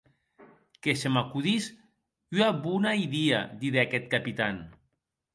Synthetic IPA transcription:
keʃemakuðis | yaβunaiðia̰d̪iðeakɛt̪̚kapit̪an

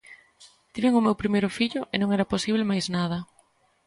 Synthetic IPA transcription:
t̪iβeŋʊmewpɾimejɾʊfiʎʊʔenõŋɛɾɐposiβ̞lemajznaðɐ

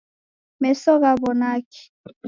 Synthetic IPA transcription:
mɛsɔɣabɔnaki̥

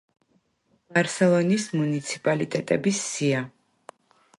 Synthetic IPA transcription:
b̥aɾsɛlˠɔnismunit̪sʰi̥pʼalit̪ʼɛt̪ʼɛbisːia

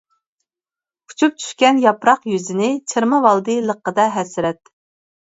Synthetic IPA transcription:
u̥t͡ʃʰup̚t͡ʃʰy̥ʃkʲɛnjɑpɾɑqjyzɪnɪt͡ʃʰɨɾmɨvɑlˠd̪ɨlˠəqːəd̪ɑɦɛsɪɾɛt̪

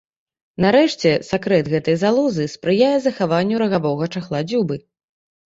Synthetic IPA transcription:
naɾɛʂt͡sʲɛsakɾɛt̪ɣɛt̪ɐjzalˠɔzɨspɾɨjajɛzɐxavanʲːuɾɐɣavɔɣɐt͡ʂɐxlˠad͡zʲubɨ

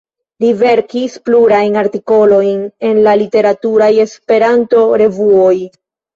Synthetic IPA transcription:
live̞ɾkispluɾajnaɾtiko̞lo̞jne̞nlalite̞ɾatuɾaje̞spe̞ɾanto̞ɾe̞vuoj

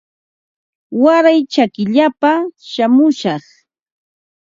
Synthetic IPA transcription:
waɾajt͡ʃakɪʎapaʃamʊʃɑχ

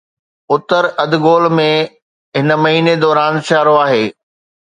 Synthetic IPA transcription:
ʊt̪əɾɐd̪ɡoːlmẽ | ɦɪnə̆mɐɦiːned̪ɔːɾaːnt͡ɕaːɾoaːɦeː

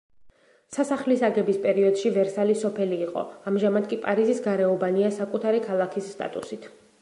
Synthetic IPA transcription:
sasaχlisaɡɛbispʼɛɾiɔd̪̥ʃivɛɾsalisɔpʰɛliːqʼɔ̰amʒamad̪̚kʼipʼaɾizisɡaɾɛɔbaniasakʼut̪ʰaɾikʰalˠakʰisːt̪ʼa̰t̪ʼṵsit̪ʰ

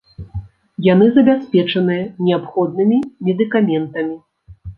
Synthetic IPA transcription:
janɨzɐbʲasʲpʲɛt͡ʂɐnɨjɐnʲɛapxɔd̪̚nɨmʲimʲɛd̪ɨkamʲɛnt̪ɐmʲi

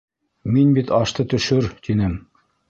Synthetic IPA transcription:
minbit̪ɑʃt̪ɤt̪ɵ̆ʃɵɾt̪inɘm

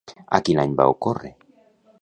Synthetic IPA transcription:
a̰kinajɲba̰okore

